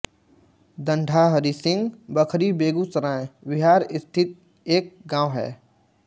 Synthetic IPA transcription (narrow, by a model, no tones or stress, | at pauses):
d̪ə̃ɳɖʱaɦəɾisɪ̃ŋɡbəkʰɾibeːɡusəɾãːẽbɪɦaːɾɪst̪ʰɪt̪̚ | eːk̚ɡãːʊɦɛ̰ː